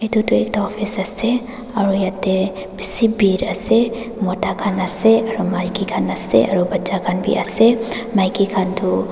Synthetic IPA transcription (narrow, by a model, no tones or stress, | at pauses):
et̪ut̪uḛk̚t̪aɔpʰisəse | aɾujat̪e | bisibiɾase | mɔtakʰanaseaɾumajkikʰanɐsḛɐɾubɐtːt͡ʃakʰanbʱḭʔa̰semajkikʰant̪u